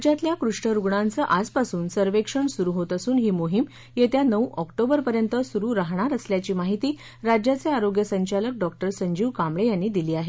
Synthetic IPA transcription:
d͡ʑjat̪ljakɾuʂʈəɾuɡɳãnt͡səʔaspasuːnsəɾʋekʂəɳsuɾuɦot̪əsuːnɦiːmoɦim | jet̪janəwʔɔkʈobəɾpəɾjənt̪əsuɾuːɾaɦɳ̃aɾəsljat͡ɕiːmaɦit̪iː | ɾad͡ʑjat͡seaɾoɡjəsəɲt͡ɕalək̚ɖɔkʈəɾsəɲd͡ʑiːʋkamɭejanːiːd̪iliːaɦe

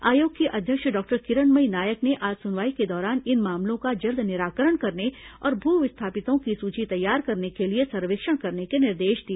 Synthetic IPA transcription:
aːjoːɡkeʔɐd̪ʱjəkʃɖɔːk̚ʈəɾkɪɾəɳməinaːjəkneʔaːd͡ʒsʊnʋaːiked̪ɔːɾaːnɪnmaːmlõkad͡ʒɐld̪ʱnɪɾaːkəɾəɽ̃kɐɾneɔ̰ːɾbʱuːʋɪst̪ʰaːpɪt̪õkisuːt͡ʃit̪ɐjːaːɾkɐɾnekeliesɐɾʋeːkʃəɽ̃kɐɾnekenɪɾd̪eːʃd̪ieː

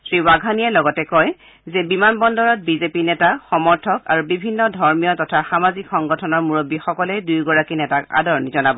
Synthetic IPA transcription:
sɹiwaɡʱaniɛlɔɡɔtɛkɔj | zɛbimanbɔndɔɹɔt̚bizepinɛtaxɔmɔɹtʰɔka̰ɹubibʱinːɔdʱɔɹmijɔtɔtʰaxamazikxɔŋɡɔtʰɔnɔɹmuɹobːixɔkɔlɛdujɡɔɹakinɛtaka̰dɔɹnizɔnabɔ

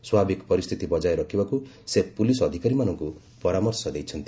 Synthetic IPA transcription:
swabʱikpɔɾist̪ʰit̪ibɔd͡ʒajɾɔkʰibaku | sepulisɔd̪ʱikaɾimanɔŋku | pɔɾamɔɾsɔd̪ejt͡ʃʰɔnt̪i

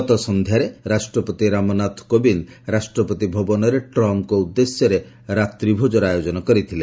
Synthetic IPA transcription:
ɔt̪ɔsɔnd̪ʱjaɾeɾasʈɾɔpɔt̪iɾamɔnat̪ʰkobinɾasʈɾɔpɔt̪ibʱɔbɔnɔɾeʈɾɔmkɔud̪ːesjɔɾe | ɾat̪ɾibʱod͡ʒɔɾajod͡ʒɔnɔkɔɾit̪ʰile

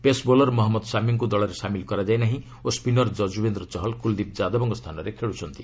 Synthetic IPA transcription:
pesbolɔɾmɔɦɔmːɔd̪samiŋkud̪ɔɭɔɾesamilkɔɾad͡ʒajnaɦĩ | ospinɔɾd͡ʒɔd͡ʒubend̪ɾɔt͡ʃɔɦɔlkuld̪ip̚d͡ʒad̪ɔbɔŋɡɔst̪ʰanɔɾekʰeɭut͡ʃʰɔnt̪i̥

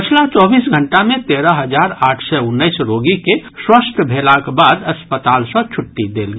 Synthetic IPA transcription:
pət͡ʃʰlat͡ʃɔːbiːsɡʱəɳʈamẽt̪eːɾəɦəd͡ʒaɾaːʈʰsɛʊnːəɪsɾoɡikeswəst̪ʰəbʱelakbaːd̪əspət̪aːlsə̃t͡ʃʰʊʈːid̪eːlɡi

